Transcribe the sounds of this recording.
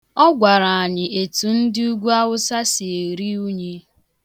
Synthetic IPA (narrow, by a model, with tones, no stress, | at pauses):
ɔ˦ɡʷa˨ɾa˨a˨ɲɪ˨ʔe˨tu˨n̩˦dɪ˦u˦ɡʷu˦a˦wʊ˦sa˦si˨e˨ɾi˦u˦ɲe˦